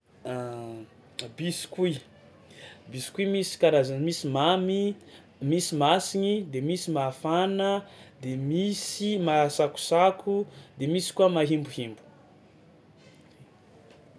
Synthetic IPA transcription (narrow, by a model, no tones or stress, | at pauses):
bisi̥kui | bisi̥kuimisi̥kanazamisimami | misimasiɲid̪emisimafanəd̪emisimasaku̥sakʰud̪emisi̥kuamaɦimbuhimbu̥